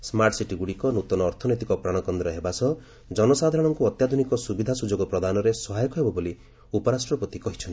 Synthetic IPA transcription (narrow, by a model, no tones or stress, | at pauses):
smaɾʈsiʈiɡuɽikɔnut̪ɔnɔːɾt̪ʰɔnit̪ikɔpɾaɽ̃ɔkɔnd̪ɾɔɦebasɔ | d͡ʒɔnɔsad̪ʱaɾɔɽ̃ɔŋkuɔt̪jad̪ʱunikɔsubid̪ʱasud͡ʒoɡɔpɾɔd̪ʱanɔɾesɔɦajɔkɔɦebɔboli | upɔɾasʈɾɔpɔt̪ikɔɦit͡ʃʰɔnt̪i